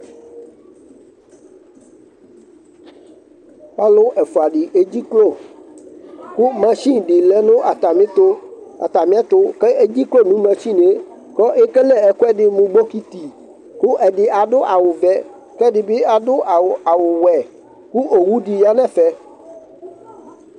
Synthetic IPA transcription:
pa˦lo˦ʔɛ˨fu˨a˨ɖɪ˨ʔe˦d͡ʑi˦klo˦˨ | ku˦mɛ̃˦ʃĩ˦ɖɪ˨lɛ˦nʊ̃˦ʔa˨t̪a˨mĩ˦t̪ʊ˦a̰˨t̪a˨mĩ˦ɛ˦t̪ʊ˦kɛ˦e˦d͡ʑi˦klo˦˨nũ˦mɛ̃˨t͡ʃĩ˦ne˦ | kɔ˦ʔe˦kɛ˦lɛ˦ɛ˨ku˦ɛ˦ɖɪ˦mũ˨ɡ͡bo˦ki˦t̪i˨ | kʊ˦ʔɛ˨ɖɪ˨a˨ɖʊ˦ʔa˨wʊ˨vɛ˦ | kɛ˦dɪ˨bɪ˦a˨dʊ˦ʔa˨wa˨wʊ˨wɛ˨ | ku˦ʔo˨wu˦ɖi˨ja˦nɛ̃˦˨fɛ˦

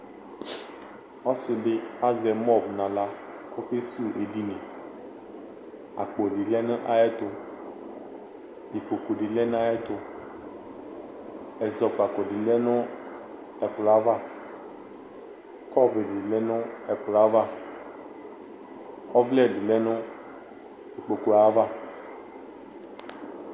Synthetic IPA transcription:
ɔ˦sɪ˨ɖɪ˦a˦zɛ˨mɔ˦bnã˨la˦ | ko˦ɸe˦su˦ʔe˨di˦nẽ˨ | a̰˨k͡po˨ɖi˨lɛ˦nʊ̃˦ʔa˦ɛ˦t̪ʊ˨ | di˨ko˨ku˨ɖi˨lɛ˦n˦ã˦ɛ˦t̪ʊ˨ | ɛ˨zɔ˨ka˨ko˨ɖi˨lɛ˦nʊ̃˦ | ɛ˨k͡pla˦va˦ | kɔ˦be˨ɖi˨lɛ˦nɔ̃˦ɛ˨k͡pla˦va˦ | ɔ˦vlɛ˦di˨lɛ˦nʊ̃˦ | di˨k͡po˨ku˨a˦va˦

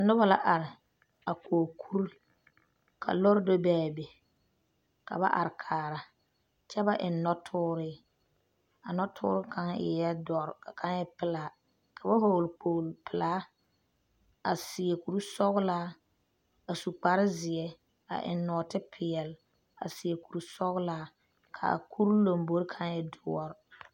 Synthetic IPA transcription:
a˨nʊ˦ba˦la̰˦ʔa˨ɾɪ˨ | a˨koː˨kʰu˦ɾ | kʰa̰˨lɔ˦ɾdo˦bɛː˦˨be˨ | ka̰˨ba̰˦ʔa̰˨ɾɪ˨kʰaː˨ɾa˨ | t͡ʃɛ˦ba˦ʔɪ˨nːɔ˦tʰʊː˦ɾɪː˦ | a˨nɔ˦tʰʊ̰ː˦ɾɪ˦kʰa˦ŋɪ̰˨jɛ˦dɔ˨ɾa˨ka˦ŋ˦jɛ˦pɪ˦laː˨˦ | kʰa˨ba˦ho˨lk͡po˨lpɪ˨laː˦ | a˨sɪ˨ɛ˨ku˨ɾu˦sɔ˦ɣlaː˦ | a˨su˨k͡pa˨ɾɪ˦zɪ˨ɛ˦ | a̰˨ʔɪ̰˨nːɔ˨tɪ˦pʰɪ˨ɛ˨l | a̰˨sɪ˨ɛ˨ku˨ɾu˨sɔ˦ɣlaː˦ | kʰa̰˨kʰu˦ɾlo˨mbo˦ɾkʰa˦ŋjɛ˦dʊ˦ɔ˦ɾ

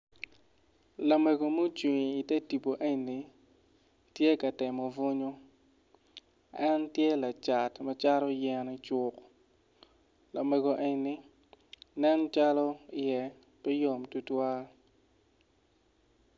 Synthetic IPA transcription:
la˨mɛ˨ɡo˨mo˦t͡ʃwi˨ŋː˨tɛ˦ti˨po˨ʔe˦ɲni˨ | tje˦kɐ˨tɪ˨mɔ˨vʊ˦ɲo˦ | ɛ˦ntjɛ˦la˨t͡ʃa˨tmɐ˨t͡ʃa˦ɾɔ˦jɛ˨nɪ˦t͡ʃʊ˨k | la̰˨mɛ˨ɡo˨ʔe˨ɲni˦ | nɛ˦n˦t͡ʃa˦lɔ˦ɪ˨ɛ˦ | pɛ˦jo˨mtu˦twa˦

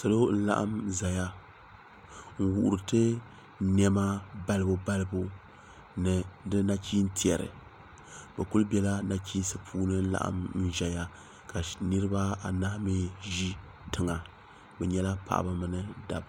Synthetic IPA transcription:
so˨lo˦n̩˦la̰˦ʔa̰˦mza˨ja˦ | ŋ̩˦wu˨ʔʊ˨ɾɨ˨tɨ˦ | n˦ɛ˦ma˦ba˦lɨ˦bu˨ba˦lɨ˦bu˦ | nɨ˨dɨ˦na˦t͡ʃiː˦n˦ti˨ɛ˨ɾɨ̰˨ | bɛ˨ku˦lbʲɛ˦la˦na˦ki˦n˦sɨ˦pʰuː˦nɨ˦n̩˦la̰˨ʔa̰˦˨mn̩˦ʒɛ˨ja˦ | ka˨nɨ˦ɾɨ˦ba˦a˨na˦hmi˦ʒi˦ | tɨ˨ŋa˨ | bɛ˨ɲɛ˦la˦pa̰˨ʔa̰˨ba˦mɨ˦nɨ˦da˨b

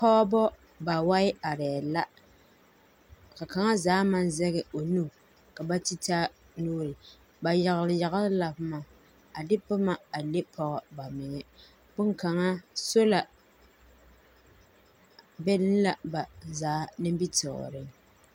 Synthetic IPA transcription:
pɔ˦ɔ˦bɔ˦ | ba˨wa˦ɪ˦a˨ɾɛː˨la˦ | ka˨ka˨ŋa˦zaː˨˦ma˦n˦zɛ˦ɣɛ˨o˨nu˦ | ka˨ba˦ti˦ta˦ | nuː˦ɾɪ˨ | ba˨ja˨ɣɪ˨lɪ˨ja˨ɣɪ˦lɪ˦la˨bʊ˦ma˨ | a˨dɪ˦pʊ˦ma˨a˨le˦pʰɔ˦ɣɔ˦ba˨mɪ˨ŋɛ˨ | bʊ˦nka˨ŋa˦so˦la˨ | bɛ˦lɪ˦n˦la˨ba˨zaː˨˦nɪ˦m˦bi˦tɪ̰˨ɣɔ̰˨ɾɪ˦ŋ

